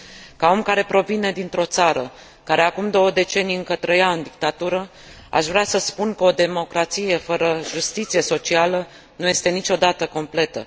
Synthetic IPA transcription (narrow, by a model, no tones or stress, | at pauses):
kao̞mkaɾe̞pɾo̞vine̞d̪int̪ɾo̞t̪saɾə | kaɾe̞akumd̪o̞wəd̪e̞t͡ʃe̞nijɨŋkət̪ɾəjaɨnd̪ik̚t̪at̪uɾə | a̰ʃvɾeasəspunkəo̞d̪e̞mo̞kɾat̪sije̞fəɾəʒust̪it̪sije̞so̞t͡ʃialə | nuje̞st̪e̞nit͡ʃo̞d̪at̪əko̞mple̞t̪ə